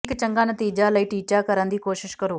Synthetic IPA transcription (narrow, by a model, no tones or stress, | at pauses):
ɪkt͡ʃəŋɡaːnət̪iːd͡ʒaːləiːʈiːt͡ʃaːkəɾə̃nd̪iːkoːʃɪʃkəɾoː